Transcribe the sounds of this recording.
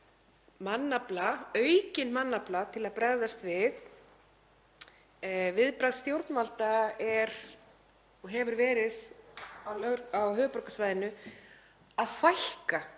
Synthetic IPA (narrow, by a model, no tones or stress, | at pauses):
manːaplaœɥcɪnmanːaplat̪ʰɪlaðpɾɛɾðast̪vɪθ | vɪðpɾajðst̪jowɾt̪nmalt̪aɛɾ̥ | ɔɣɦɛvʏɾvɛːɾɪðaawɦœːɣpɔɾrkasvajðɪnʏ | aðfajhka